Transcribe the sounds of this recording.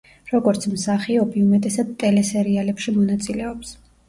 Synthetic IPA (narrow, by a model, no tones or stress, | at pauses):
ɾɔɡɔɾt̪sʰmsaχiɔbiumɛt̪ʼɛsad̪̚t̪ʼɛlɛsɛɾialɛpʃimɔnat̪sʼilɛɔps